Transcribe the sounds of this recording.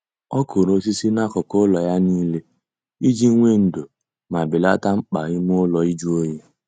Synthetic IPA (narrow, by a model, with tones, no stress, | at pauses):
ɔ˦kʊ˨ɾo˨˦s̬i˦si˦na˦kʊ˨kʊ˦lɔ˨ja˦niː˦le˦ | i˦d͡ʒi˦ŋʷe˦n̩˨do˨ | ma˨bɪ˨la˦ta˦ŋ͡m̩˦k͡pa˨ɣɪ˦m˦ʊ˦lɔ˨i˦d͡ʒu˦o˦je˦